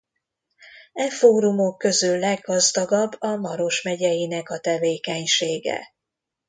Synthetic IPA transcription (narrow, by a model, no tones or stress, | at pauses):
ɛfoːɾumo̞kːø̞zylːɛɡːɒzd̪ɒɡɒbːɒmɒɾo̞ʃmɛɟɛjinɛkɒt̪ɛveːkɛɲʃeːɡɛ̰